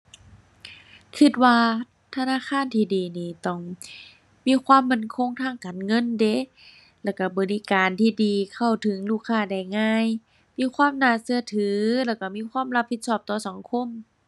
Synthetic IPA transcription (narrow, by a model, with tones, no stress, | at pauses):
kʰɯ˧t̪̚waː˧ | t̪ʰa˧naː˧˥˨xaː˧˥˨nt̪ʰiː˧˨diː˨˩niː˧˩t̪ɔ˧˩ŋ | miː˧˥˨kʰwaː˧˥˨mːa˧˩˨nkʰo˧˥˨ŋt̪ʰaː˧˥˨ŋkaː˨nŋɤ˧˥˨nde˧˦˨ | lɛː˧˩wka˧˩bɔː˨li˧˥kaː˨nt̪ʰiː˧˨diː˨kʰa˧˩wt̪ʰɯ˨˦ŋluː˧˩kʰːaː˧˩da˧˩jŋaː˧˥˨j | miː˧˥˨kʰwaː˧˥˨mnaː˧˩sɯ˧ɐt̪ʰɯː˨˦lɛː˧˩wka˧˩miː˧˥˨kʰwaː˧˥˨mla˧pʰːi˧t̪̚sɔː˧˩p̚t̪ɔː˧˩sa˨˦ŋkʰo˧˥˨m